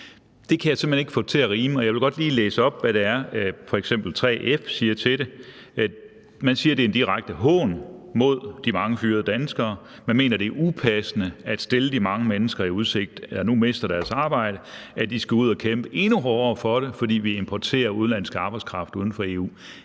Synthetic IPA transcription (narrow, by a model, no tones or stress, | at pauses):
d̥e̝kʰæjasem̥heneɡ̥fɔ̰̥̽t͡sʰe̝æʁiːməɒ̽jɑɪʋe̝lɡ̥ɒ̽d̥liːleːsəɒ̽b̥ʋæɾe̝æɐfɒ̽eɡ̥sem̰b̥l̩t͡sʰʁɛ̰ːʔefsiːɐt͡sʰe̝ɾe̝ | mænsiːɐɾe̝end̥iʁaɪɡ̥̚d̥əɦɔ̰̽ːnmo̝ð̞̰ˠd̥imɑ̈ŋəfyːɐð̩ˠəd̥ænəsɡ̥ɐː | mænme̝̰ːnɐɾ̥e̝ɐʔupʰæsənəæd̥sd̥e̝ləd̥imɑ̈ŋəmenəsɡ̥ɐiuð̞ˠse̝ɡ̥̚d̥lɐnume̝sd̥ɐɾ̥æɐsɑ̈ːb̥ɑ̈ɪ̰ɾ̥əæd̥isɡ̥æuð̞̰ˠɐkʰemb̥əʔe̝nuɦɒːɐfɒ̽ɾ̥e̝fɒd̥ḭːʋiempʰɒt͡sʰe̝̰ːɐuðˠn̩læn̰sɡ̥ɑ̈ːb̥ɑ̈ɪskʰʁɑ̈fd̥uð̞ˠn̩fɒ̽e̝ːṵː